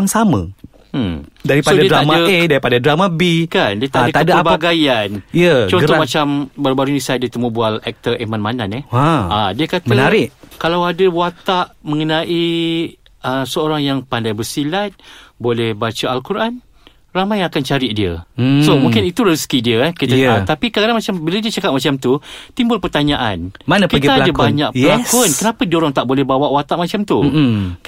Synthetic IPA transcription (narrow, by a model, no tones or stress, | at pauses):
ŋsamə | daɾispaodadiədɾamaəedaɾipadadɾamabikandiət̪aʔdək̪aədabaaɡajaniət͡ʃɔnɡəɔmat͡ʃambaɾubaɾunĩsadət̪əmubualɛk̚t̪əʔemanmananɛaadiəkat̪anaɾɪʔkalawadəwat̪aʔmə̃ŋənãʔi | əsəoɾaŋjaŋpandajbərsilat̪̚bolɛhbat͡ʃaalkuɾʔan | ramajakant͡ʃaɾɪʔdiəsomũŋkɪnit̪uɾəskidiəkit̪aat̪apikaadaŋmat͡ʃambiladiət͡ʃakap̚mat͡ʃamt̪ut̪imbʊlpərt̪aɲaʔa̰nmanakiətɡiaːladakbaɲakʔəlakɔnkənapadioɾaŋt̪aʔbolɛhbawaʔwat̪aʔmat͡ʃamt̪u